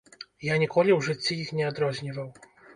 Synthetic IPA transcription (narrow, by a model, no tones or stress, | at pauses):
jaɲʲikɔlʲiwʐɨt͡ɕʲːiixnʲɛɔd̪ɾɔʑɲʲivaw